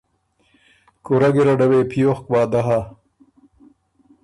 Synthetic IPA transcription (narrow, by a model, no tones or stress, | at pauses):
kuɾɐɡiɾɐɖɐweːpʰijoxkwaːd̪ɐɦa